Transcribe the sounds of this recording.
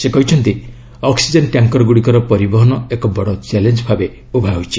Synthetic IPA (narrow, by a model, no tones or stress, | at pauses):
sekɔɦit͡ʃʰɔnt̪i | ɔksid͡ʒenʈjaŋkɔɾɔɡuɽikɔɾɔpɔɾibɔɦɔnɔekɔbɔɽɔt͡ʃelend͡ʒbʱabe | ubʱaɦujt͡ʃʰi